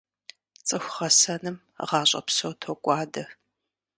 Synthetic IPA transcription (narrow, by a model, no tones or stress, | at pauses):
t͡sʼɨxʷχɐsɐnɨm | ʁɑːɕʼɐ̰psowtʰokʷʼɑːdɐ